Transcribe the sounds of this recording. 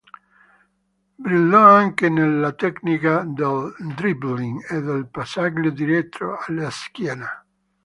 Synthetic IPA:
bɾilːɔaŋkenelːat̪ɛknikad̪eld̪ɾibliŋed̪elpasaklod̪iɾɛt̪ʰːɾo̰alːaskjɛːna

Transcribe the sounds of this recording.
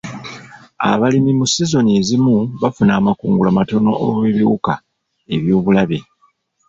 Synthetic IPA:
a̰βalimimusizo̞nezimuβafunaːmakuːŋɡulamato̞no̞ʔo̰βiβjuːka | e̞βjo̞ːβulaβe̞̰

